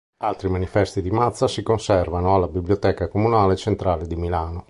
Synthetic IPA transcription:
alt̪ɾimanifɛst̪id̪imat̪sːasikonsɛrvanoalːabibljot̪ɛːkakomunaːlet͡ʃent̪ɾaːled̪imilaːno

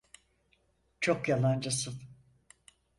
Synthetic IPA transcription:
t͡ʃʰo̞kjalˠand͡ʒasɯn

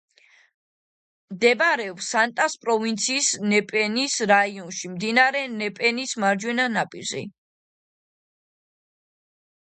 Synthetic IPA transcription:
md̪ɛbaɾɛɔpsant̪ʼaspʼɾɔvint̪sʰiːsnɛpʼɛnisɾaiɔnʃimd̪inaɾɛnɛpʼɛnismaɾd͡ʒwɛnanapʼḭɾzḭ

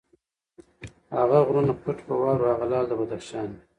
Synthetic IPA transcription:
haɣaɣɾunapʰʊʈpəwɑːɾaɣalɑːld̪əbad̪aχʃɑːni

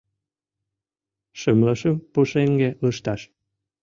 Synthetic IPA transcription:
ʃəmləʃəmpuʃeŋɡeləʃt̪ɑʃ

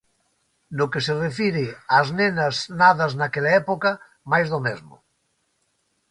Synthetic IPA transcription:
nokeserefiɾɪaznenaznaðaznakelaɛpoka | majzðomezmo̰

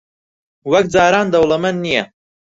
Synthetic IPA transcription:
wɐkd͡zaːɾaːnd̪ɐwlˠɐmɐnːijɐ

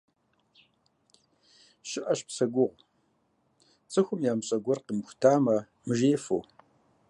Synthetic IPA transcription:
ʃɪʔɐɕpsɐɡʷʊʁʷ | t͡sʼɨxʷʊmjaːmɕʼɐɡʷɔrqəmxʷʊ̥tʰaːmɐ | mɨʒeːfo̰w

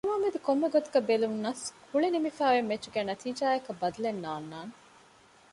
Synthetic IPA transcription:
ɐmaːmed̪ekomːeɡot̪uɡɐbelunːɐskʰuɭenimifæːʋemːet͡ʃːuɡæːnɐt̪iːd͡ʒaːɐkɐbɐd̪ɐlenːaːnːaːne

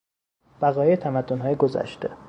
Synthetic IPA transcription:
b̥æɣɒːjeet̪ʰæmæd̪ːo̞nɦɒːjeɡozæ̰ʃt̪e

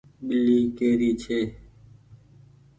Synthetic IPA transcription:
ɓɪliːkeːɾiːt͡ʃʰeː

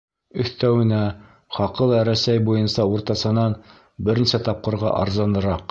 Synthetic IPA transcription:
ɵ̆θt̪æwɘ̆næ | χɑqɤlˠæɾæsæjbujɤnsɑuɾt̪ɑsɤ̆nɑn | bɘ̆ɾninsæt̪ɑp̚qɤ̆ɾʁɑ̰ʔɑ̰ɾzɑnɤ̆ɾɑq

